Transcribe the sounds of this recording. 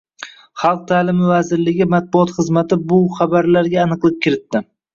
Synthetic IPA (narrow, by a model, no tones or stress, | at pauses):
χɑlˠq̚t̪ʰaːlɪmɪvazɪɾlɪɡʲɪmat̪̚bʊɒt̪χɨzmat̪ʰɪbʊχabaɾlaɾɡʲaːnɨqlˠɪp̚kʲɪɾɪt̪ːɪ